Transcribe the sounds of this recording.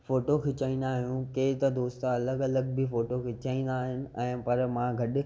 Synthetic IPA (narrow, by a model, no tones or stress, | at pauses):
foːʈokʰet͡ɕaːĩːnd̪aːɦijũkeːt̪ɐd̪oːst̪aɐləɡɐləɡbifoːʈokʰet͡ɕaĩːn̆d̪aːɦɪnɪ̆ɛ̃ːpɐɾmãɡʱɐɗ̆